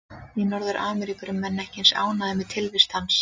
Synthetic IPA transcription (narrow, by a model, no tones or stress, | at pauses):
jɛnɔɾðʏɾʔaːmɛɾikʏɾʏmːɛnːɛhcɪnsa̰ːwnaðɪmɪt̪ʰɪlvɪst̪hans